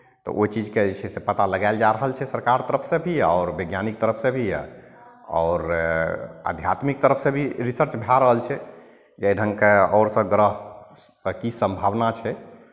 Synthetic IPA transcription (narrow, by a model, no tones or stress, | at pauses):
t̪ɔ̰ʔoit͡ʃid͡ʒked͡ʒt͡ʃʰɛsepət̪aləɡaɪld͡ʒaɾəɦəlt͡ʃʰɛsəɾkaɾt̪əɾəpʰsẽbʱiɔːɾbeɡjanik̚t̪əɾəpʰsẽbʱi | ɔ̰ʊɾ | ə̰d̪ʱjat̪mik̚t̪əɾəpʰsẽbʱiɾisəɾt͡ʃbʱaɾəɦəlt͡ʃʰɛ | d͡ʒɛiɖʱəŋkeɔːɾsə̃ɡɾəɦ | əkisə̃mbʱaʋnat͡ʃʰɛ